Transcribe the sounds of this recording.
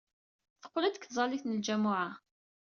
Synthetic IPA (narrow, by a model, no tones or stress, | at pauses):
θə̥qːlæd̪ə̥kθzˤɑliθnəld͡ʒæmʊʕa